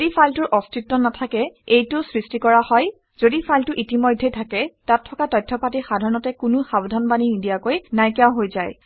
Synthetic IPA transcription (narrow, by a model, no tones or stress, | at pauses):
dipʰaltʊɹʔɔstitːɔnatʰakɛejtʊsɹistikɔɹahɔj | z̥odipʰajltʊʔitimɔjdʱːetʰakɛtatʰːɔkatɔjtʰːɔpatixadʱaɹɔnɔtɛkʊnʊxabdʱanbaninidijakojnajkjaʊɦojzaj